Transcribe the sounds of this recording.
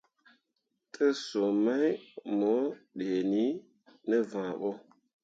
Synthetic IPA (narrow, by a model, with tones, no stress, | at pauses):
tʰə˦so˨ma˦jmɔ˨˦ɗe˨ni˦ | nə˦vã˨ɓɔ˦